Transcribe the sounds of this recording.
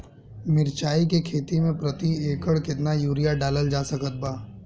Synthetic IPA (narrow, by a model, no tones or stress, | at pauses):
mɪɾt͡ʃaːikekʰeːt̪imẽpɾɐt̪ieːkəɽkɪt̪najuːɾijaɖaːləld͡ʒaːsɐkət̪̚baː